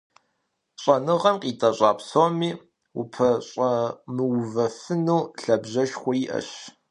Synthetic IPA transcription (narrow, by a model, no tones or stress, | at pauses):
ɕʼɐnɨʁɐmqʼiːtʼɐɕʼɑːpsomiː | wṵpʰɐɕʼɐmɨwvɐfɨnuːɬɐbʑɐʃχʷɔjiʔɐ̰ɕ